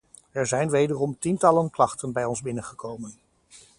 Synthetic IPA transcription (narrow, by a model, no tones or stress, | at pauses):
ɛɹzɛjnʋejdərɔmtintɑlənklɑχtənbɛjɔnzbɪnənχəkowmən